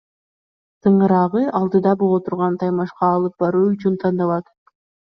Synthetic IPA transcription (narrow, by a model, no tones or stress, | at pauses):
t̪ʰɯɴɯɾɑʁɯʔɑlˠd̪ɯd̪ɑbolˠot̪ʰuɾʁɑnt̪ʰɑjmɑʃqɑːlˠɯp̚bɑɾuːyt͡ʃynt̪ʰɑnd̪ɑβɑt̪